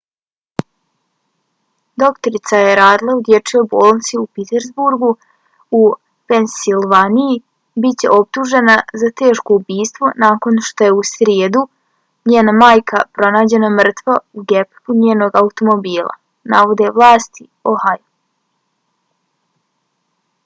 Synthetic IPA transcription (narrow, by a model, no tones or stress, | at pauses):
d̪o̞kt̪oɾit̪sajeɾaːd̪ilˠaud̪je̞t͡ʃo̞jboːlˠnt̪siupit̪eɾzbuɾɡu | u | pe̞nsilʋaniji | bit͡ɕe̞̰ʔo̞p̚t̪uʒe̞nazat̪e̞ːʃko̞ubiːst̪ʋo̞naːko̞nʃt̪o̞jeusɾjeːd̪u | ɲeːnamaːjkʰapɾo̞naːd͡ʑe̞namr̩t̪ʋauɡepluɲeːno̞ːɡaut̪o̞mo̞biːlˠa̰ | naʋo̞d̪e̞ʋlˠaːst̪i | ohaju